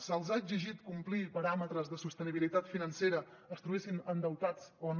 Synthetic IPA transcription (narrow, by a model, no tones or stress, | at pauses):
səlˠzaəɡziʒit̪kumplipəɾamət̪ɾəzðəsust̪əniβ̞ilit̪at̪finənseɾə | əst̪ɾuβesinənd̪əwt̪at͡soən